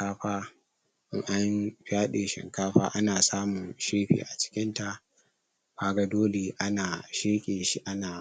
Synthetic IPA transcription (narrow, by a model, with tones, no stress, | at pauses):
kaː˦ɸaː˦ | ʔɪ˦ŋʔa˦jɸɪ˦aː˦ɗeː˨ʃɪ̰˨ŋkaː˦ɸaː˦ʔa˦naː˨saː˦mʊ˨ŋʃeː˦ɸḭ˨ʔa˨t͡ʃɪ̥˦kʲɪ˦nta˦˨ʔ | kaː˦ɡa˦doː˦le˨ʔa˦naː˨ʃeː˦kʲʼeː˨ʃi˦ʔa˦naː˨